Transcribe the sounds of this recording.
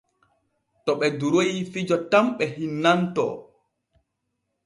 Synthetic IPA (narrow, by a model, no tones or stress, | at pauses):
tɔɓɛduɾojifid͡ʒɔtamɓɛhinːantɔ̰